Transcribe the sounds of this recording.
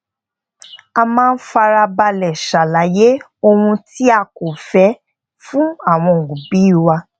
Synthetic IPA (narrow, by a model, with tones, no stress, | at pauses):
a˧mãː˦˧n̩˦fa˧ɾa˧ba˧lɛ˨ʃa˨la˨je˦ | o˧ɾũ˧ti˦a˧ko˨fɛ˨˦ | fũ˦a˦˨w̃ɔ̃˧˨ɡu˨bi˨˦i˦˨wa˧